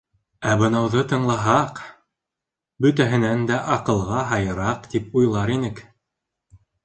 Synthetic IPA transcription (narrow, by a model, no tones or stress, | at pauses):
æbɤ̆nɑwðɤt̪ɤ̆ɴlˠɑɦɑq | bɵ̆t̪̬æɦɘ̆nænd̪æʔɑqɤ̆lˠʁɑɦɑjɤ̆ɾɑqt̪ipujlˠɑɾinɘk